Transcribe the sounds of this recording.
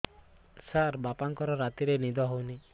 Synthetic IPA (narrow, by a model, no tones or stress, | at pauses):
saɾbapaŋkɔɾɔɾat̪iɾenid̪ɔɦowni